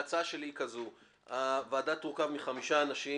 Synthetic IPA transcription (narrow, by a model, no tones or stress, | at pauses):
t͡saʃelikazu | aveadatuʁkavmiχamiʃaːnaʃi